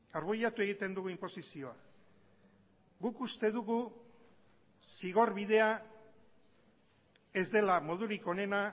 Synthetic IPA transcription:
aɾβujat̪ue̞ɣ̞it̪e̞nd̪uɣuimpo̞sisio̞a | ɡukust̪e̞ðuɣu | siɣ̞o̞ɾβið̞e̞a | e̞zd̪e̞lamo̞ð̞uɾiko̞ne̞na

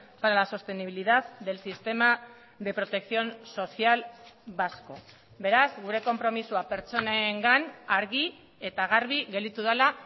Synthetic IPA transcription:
paɾalaso̞st̪e̞niβiliðaðd̪e̞lsist̪e̞ma | ðe̞pɾo̞t̪e̞kθio̞nso̞θialβasko̞̰ | βe̞ɾazɡuɾe̞ko̞mpɾo̞misuape̞ɾt͡ʃo̞naeŋɡanaɾɣi | e̞t̪aɣ̞aɾβiɣeld̪it̪uðala

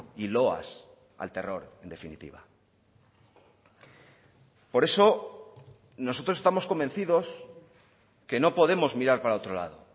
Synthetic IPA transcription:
ilo̞a̰s | a̰lt̪e̞ro̞ɾe̞nd̪e̞finḭt̪ḭβa̰ | po̞ɾe̞so̞ | no̞so̞t̪ɾose̞st̪amosko̞mbe̞n̟θiðo̞s | ke̞no̞po̞ð̞e̞mo̞zmiɾaɾpaɾaot̪ɾola̰ð̞o

